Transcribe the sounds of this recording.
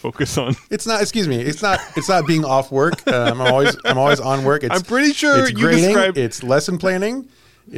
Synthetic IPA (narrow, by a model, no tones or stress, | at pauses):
foʊkɨsn̩ɨtsnətɨkskjʉzmiɪtsnəɾɨtsnət̚b̥iɪ̃ŋɔfwɜ˞kʌmãɪ̃mɔlˠwizaãɪ̃mɔlˠwiz̃n̩wɜ˞kɨãɪ̃mpɹ̥ɪɾiʃʊɹsɡɡɨɹeɪɾɪ̃ŋaɪɪtslɛsn̩pʰl̥æ̃ñɪ̃ŋ